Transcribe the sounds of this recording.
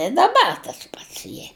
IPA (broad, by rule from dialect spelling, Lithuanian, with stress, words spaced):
ɪ dɐˈbɐr tɐs ˈpɐts ˈjiɛ